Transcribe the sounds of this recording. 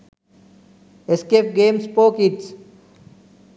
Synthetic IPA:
eskefʈ̚ɡeːmspoːkiʈs

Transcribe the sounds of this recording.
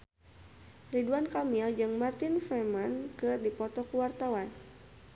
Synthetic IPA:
riduankamild͡ʒɨŋmart̪infɾɛmankɨrdipɔt̪ɔkuwart̪awan

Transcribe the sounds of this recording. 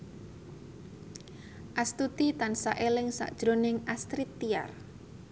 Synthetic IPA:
ʔast̪ut̪it̪ansaʔelɪŋsa̰ʔd̥ʒ̥ɾonɪŋast̪ɾit̪ːia̰r

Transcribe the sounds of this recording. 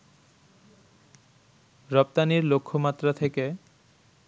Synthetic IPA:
ɾɔp̚t̪aniɾlokʰːomat̪ːɾat̪ʰeke

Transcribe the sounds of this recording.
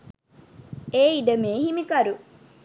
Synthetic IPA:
eːiɖəmeːhimikɐɾu

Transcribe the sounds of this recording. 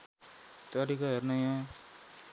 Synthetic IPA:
t̪ʌɾikʌɦernʌjã

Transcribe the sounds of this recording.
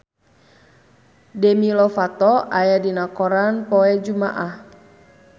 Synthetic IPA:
dɛmilɔfat̪ɔʔajadinakɔɾanpɔɛd͡ʒuma̰ʔah

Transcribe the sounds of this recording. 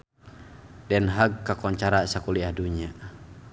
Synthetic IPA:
dɛnɦaɡ̚kːakɔɲt͡ʃaɾasakuliahduɲia

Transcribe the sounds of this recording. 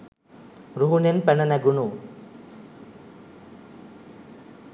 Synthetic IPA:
ɾuɦunenpɛɳənɛɡunu

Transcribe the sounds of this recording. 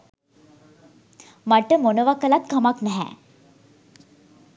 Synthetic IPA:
maʈəmonəʋakəlat̪̚kʰamaknɛɦæ̰ː

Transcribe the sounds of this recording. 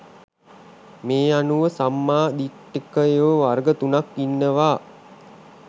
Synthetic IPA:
meːanuʋəsamːaːd̪iʈːikəeʋəʋarɡət̪unakːinːəʋaː

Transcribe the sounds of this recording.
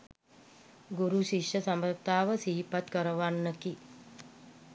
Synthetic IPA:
ɡuɾuʃiʂjəsambət̪aːʋəsiɦipat̪kəɾəʋanːəki

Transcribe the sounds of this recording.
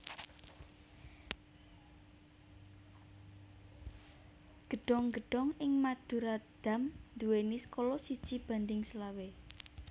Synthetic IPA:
ɡ̥ə̤ɖ̥ɔ̤ŋɡə̤ɖ̥ɔ̤ŋɪŋmad̪̥ṳɾad̪̥a̤mnd̪uwenɪskolɔsid̥ʒ̥ib̥a̤nd̪ɪŋsəlawe

